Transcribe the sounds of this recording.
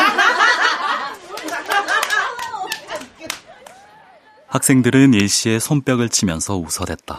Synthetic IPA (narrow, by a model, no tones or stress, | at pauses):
hak̚s͈e̞ŋdɯɾɯnjeɕ͈ie̞sʰomp͈jʌɡɯɭt͡ɕʰimjʌnsʰʌusʰʌdwe̞t̚t͈a